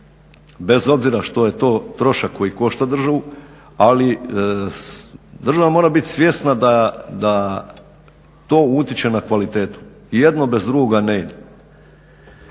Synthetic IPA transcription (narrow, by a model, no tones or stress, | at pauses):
be̞zo̞bziɾaʃt̪o̞je̞t̪o̞ːt̪ɾo̞ʃakːo̞jiko̞ʃt̪ad̪r̩ʒaʋu | ali | d̪r̩ʒaʋamo̞ːɾabit̪ʲsʋje̞st̪nad̪ad̪a | t̪o̞ːut̪it͡ɕe̞nakʋalit̪e̞ːt̪u̥ | jed̪no̞be̞zd̪ɾuɡoɡaneid̪e